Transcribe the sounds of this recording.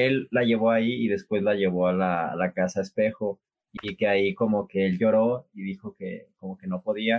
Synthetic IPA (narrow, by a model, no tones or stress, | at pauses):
e̞lːaʝe̞β̞o̞aiiðe̞spwe̞zlaʝe̞β̞o̞alalakasaespe̞xo̞ | ikeaiko̞mo̞ke̞elʝo̞ɾo̞iðixo̞ke̞̰ko̞mo̞ke̞no̞po̞ðia